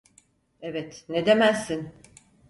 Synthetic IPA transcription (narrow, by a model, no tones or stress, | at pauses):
evɛt̪ned̪e̞mæsːin